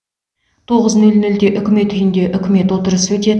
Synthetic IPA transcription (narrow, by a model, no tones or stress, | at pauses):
t̪ʰo̞ʁəznɵlnɵld̪e̞ʔʏkʲɪme̞t̪ʰːʏjɪnd̪e̞ʔʏkʲɪme̞t̪wo̞t̪əɾəswɵt̪e̞